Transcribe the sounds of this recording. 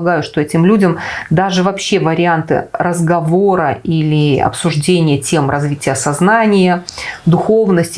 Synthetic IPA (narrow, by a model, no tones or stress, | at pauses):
ɡajʊʂt̪o̞ɛtʲɪmlʲudʲəmd̪aʐɨvɐpɕːe̞vəɾʲɪant̪ɨ̰ɾəzɡɐvo̞ɾəilʲɪɐ̰psʊʐdʲenʲɪjətʲe̞mrɐzvʲitʲɪjəsɐznanʲɪjəd̪ʊxo̞vnəsʲtʲ